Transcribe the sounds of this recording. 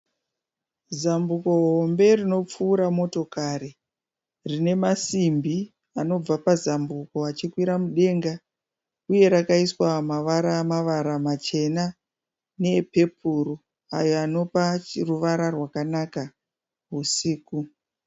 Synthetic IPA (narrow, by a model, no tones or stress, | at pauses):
zambuko̞ɦo̞mbe̞rino̞p͡fuːɾamo̞to̞kaɾi | rine̞masimbi | ano̞b͡vapazambuko̞at͡ʃikwiɾamuɗe̞ːŋɡa | uje̞ɾakaiswamaʋaɾamaʋaɾamat͡ʃe̞na | ne̞pe̞pʰuru | a̰jo̞ano̞paruʋaɾarwakanaka | ɦusiːku